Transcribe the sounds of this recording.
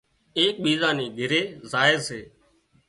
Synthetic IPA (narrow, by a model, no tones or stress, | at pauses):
eːk̚ɓiːzãːniːɡʱɪɾeːzaːeːseː